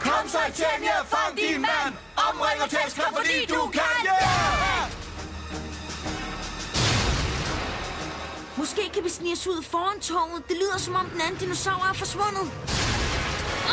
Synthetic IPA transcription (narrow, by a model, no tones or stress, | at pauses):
kʰɒmsɑɪt͡sʰenefɑŋd̥inmmæn | ɒb̥ʁeŋɐt͡sʰesɡ̥ɐfɒd̥ḭːd̥ukʰæø | mɒ̽sɡ̥e̝̰ːkʰæʋisnisuð̰ˠfɒːænt͡sʰɒʊnð̩ˠd̥e̝lḭːð̰ˠɐsɒ̽mɒ̽md̥enænn̩d̥inosɑ̈ʊ̰ɐæɐfɒ̽sʋɔ̽n̰ð̩ˠ